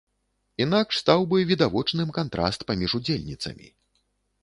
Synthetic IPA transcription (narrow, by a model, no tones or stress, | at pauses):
inakʂst̪awbɨvʲid̪avɔt͡ʂnɨmkant̪ɾa̰st̪pamʲiʐud͡zʲelʲnʲit̪sɐ̰mʲḭ